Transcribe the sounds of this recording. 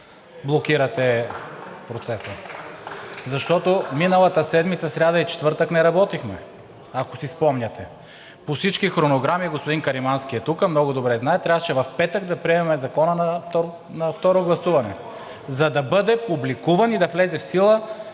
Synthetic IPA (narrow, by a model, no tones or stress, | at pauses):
blˠokiɾɐt̪ɛ | pɾot̪sɛsə | zɐʃt̪ɔt̪ominəlˠɐt̪əsɛd̪mit̪sɐsɾʲad̪ɐit͡ʃɛ̥t̪vɤɾt̪əknɛɾɐbɔt̪ixmɛ | ɐko̥sispɔmɲʲɐt̪ɛ | pofsit͡ʃkixɾonoɡɾamiɡospod̪inkɐɾimansk̟iɛt̪ukəmnɔɡʊd̪obɾɛznaɛt̪ːɾavət͡ʃɛvɐfpɛt̪əɡ̚d̪ɐpɾiɛmɛmɛzɐkɔnənɐft̪ɔɾ | nɐft̪ɔɾoɡlˠɐsuvɐnɛ | zɐd̪ɐbɤd̪ɛpublikuvɐnid̪ɐflɛzɛfsilˠə